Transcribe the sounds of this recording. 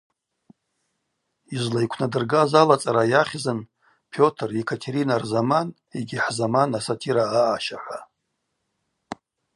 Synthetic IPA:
izlaijkʷʰnadɨrɡazalat͡sʼaɾajaχʲzɨn | pʰjo̞tʰrekʰatʰeɾinarzaman | eɡʲiħzamanasatʰiɾaːʔːʃaħʷa

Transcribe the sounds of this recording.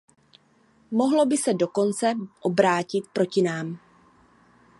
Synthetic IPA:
mo̞ɦlo̞bɪsɛdo̞ko̞nt͡sɛʔobɾaːcɪt̪̚pɾo̞cɪnaːm

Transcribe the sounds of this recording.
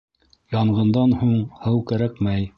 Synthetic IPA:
jɑɴɢɤ̆nd̪ɑnhuɴhɤwkæɾækmæj

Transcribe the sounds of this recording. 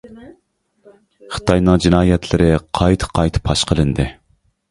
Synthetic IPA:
χɨ̥t̪ʰɑjnɨŋd͡ʒinɑːjɛt̪ʰlɪɾɪqʰɑjt̪ʰɨ̥qʰɑjt̪ʰɨ̥pʰɑʃqʰəlˠɨnd̪ɨ

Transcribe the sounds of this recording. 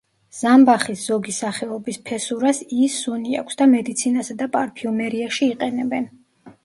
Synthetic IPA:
z̥ambaχisz̥ɔɡisaχɛɔbispʰɛsuɾasisunia̰kʰʷsd̪amɛd̪it̪sʰinasad̪apʼaɾpʰiumɛɾiaʃiːqʼɛnɛbɛn

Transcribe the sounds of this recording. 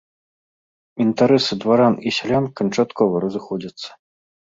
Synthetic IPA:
int̪aɾɛsɨd̪vaɾanisʲalʲankɐnt͡ʂat̪kɔvɐɾɐzɨxɔd͡zʲɐt̪sːɐ̥

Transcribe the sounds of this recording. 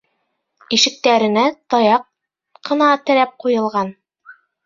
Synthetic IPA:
iʃɘ̆k̚t̪æɾɘ̆næt̪ɒjɑq̚ː | ɤ̆nɑt̪ɘ̆ɾæp̚qujɤ̆lˠʁɑn

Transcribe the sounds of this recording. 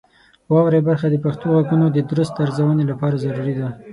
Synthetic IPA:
wɑwɾebaɾxad̪əpaxt̪oɣaɡunod̪əd̪ɾʊst̪aɾzawənelapɑɾazaɾuɾid̪a

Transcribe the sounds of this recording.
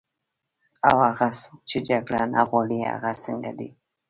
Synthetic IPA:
awaɣasuk̚t͡ʃid͡ʒaɡlana̰ɣolia̰ɣasəŋɡa̰d̪ḭ

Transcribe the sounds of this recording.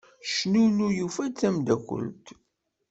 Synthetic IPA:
ʃnunujufæt͡sːæmd̪ækʷːə̰lt̪

